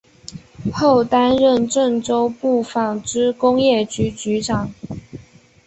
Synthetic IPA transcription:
xo˥˩ʊt̪a˥nɻə˥˧nʈ͡ʂə˥˧ŋʈ͡ʂo˥ʊpu˥˩fɑ˨˩ŋʈ͡ʂɻ̩˥kʊ˥ŋjɛ˥˩t͡ɕy˧˥t͡ɕy˧˥ʈ͡ʂɑ˨˩˦ŋ

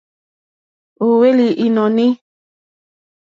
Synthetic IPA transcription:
u˨we˦li˨ʔi˨nɔ˨ni˦

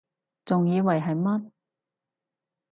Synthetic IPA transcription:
t͡sʊ˨ŋjiː˨˧wɐ˨jɦɐ˨jmɐ˥t̚

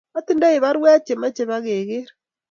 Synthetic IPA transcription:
a˦ti˦nda˦e˨βa˦ɾwa˦t͡ʃe˨ma˦t͡ʃe˨βa˦ɣe˨ɣe˦ɾa

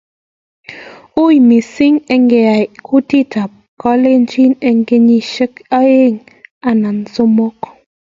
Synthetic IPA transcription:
u˦jmi˨si˦ŋe˨ŋɡe˨a˨kʰu˦ti˦˨ta˨p̚kɔ˦le˦n˦d͡ʒi˦ne˨ŋ˦ɡe˦ɲi˦ʃə˦ka˦je˦˨ŋ | a˨na˨n˨so˦mo˦k

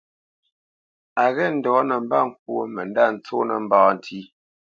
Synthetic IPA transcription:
a˨ɣɛ˦˨n̩˨dɔ˨˦nə˨m̩˦ba˦˨ŋ̩˨k̚wo˦mə˨n˦da˦˨n̩˨˦t͡so˦nə̰˨m̩˦baː˨˦n̩˨tʰi˦

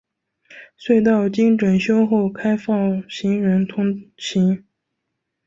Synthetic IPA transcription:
swe˥˧ɪt̪̬ɑ˥˩ʊt͡ɕi˥ŋʈ͡ʂwə˨˩nɕjo˥ʊxo˥˩ʊkʰa˥ɪfɑ˥˩ŋɕi˧˥ŋɻə˧˥nt̪ʰʊ˥ŋt͡ɕʰi˧˥ŋ

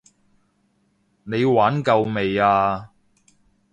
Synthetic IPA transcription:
ne˨˧jwaː˨˥nkɐ˧wme˨jaː˧

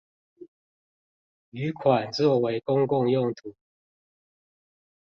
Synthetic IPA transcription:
y˨˦kʰwa˨˩nt͡swɔ˥˨we˨˥ɪkʊ˥ŋkʊ˥˧ŋjʊ˥˨ŋt̪ʰu˨˩˦

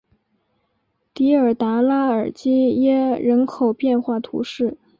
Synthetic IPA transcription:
t̪i˧˥ə˞˨˩t̪a˧˥la˥ə˞˨˩t͡ɕi˥jɛ˥ɻə˧˥nkʰo˨˩ʊpjɛ˥˧nxwa˥˩t̪ʰṵ˧˥ʂɻ̩˥˩

